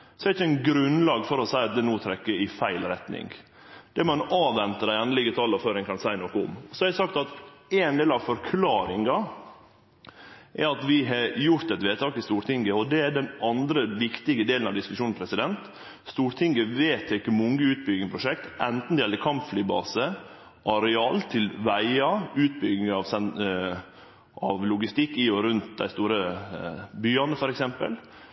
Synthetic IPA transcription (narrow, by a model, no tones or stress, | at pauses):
sɔɛɾɪçːəɛnɡɾʉnlɑːɡfɔɾɔsæɪɑt̪̚d̪ɛnuːt̪ʰɾɛkːəɪfæɪlɾɛt̪nɪ̰ŋ | d̪̥ɛmɑnɑːʋɛnt̪əd̪æɪɑnlɪɡət̪ʰɑːlɔføːɾɪŋkʰɑnsæɪnokəʊ̰mɔsɔɛɾəsɑkt̪ɑt̪æːnd̪eːlɑʋfɔɾkʰlɑːɾɪŋɑ | ʔɛɾɑt̪ʋɪɦɑjʊɾt̪ɛt̪ʋeːt̪ʰɑːkɪst̪uːɾt̪ʰɪŋɡəɔd̪ɛæɖɛnɑnd̪ɾəʋɪkt̪ɪɡəd̪eːlənɑʋd̪ɪskʉʃʂuːn̩pʰɾɛsɪd̪ɛnt̪ | st̪uːɾt̪ʰɪŋɡəʋeːt̪ʰːekːəmʊŋɡəʉːt̪̚bʏɡɪŋəpʰɾʊʂɛkt̪ʔɛnt̪n̩d̪ɛjɛlːəɾkʰɑmpflyːbɑ̰ːsə | ʔɑɾɛɑːlt̪ʰɪlʋæɪɑʉːt̪̚bʏɡɪŋɑʋsɛn | ʔɑʋlʊɡɪst̪ɪkːɪɔɾʉnt̪̚d̪æ̰ɪst̪uːɾə | byːɑnəfɔɾɛksɛmpə̰l